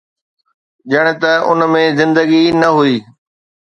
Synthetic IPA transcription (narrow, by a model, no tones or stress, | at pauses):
ʄɐɽ̃̆t̪ɐʊ̰nmẽzɪ̃nd̪əɡinɐɦʊiː